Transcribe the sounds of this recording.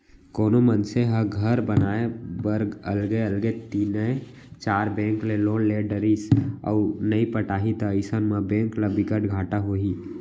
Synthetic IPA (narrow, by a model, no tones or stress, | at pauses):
koːnomənseɦɐɡʱəɾbɐnaːebɐɾɡəlɡeəlɡet̪iːnəe | t͡ʃaːɾbɛ̃ːŋkleloːnleːɖəɾisɔ̰ːnəipəʈaːɦit̪aiɪsənmãbɛ̃ːŋkləbɪkəʈɡʱaːʈaɦoːiː